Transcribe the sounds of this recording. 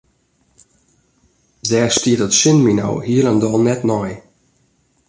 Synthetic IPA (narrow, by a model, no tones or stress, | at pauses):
zɛːstiətətsɪnmino̰whiəlˠəndɔlˠnɛtnɔj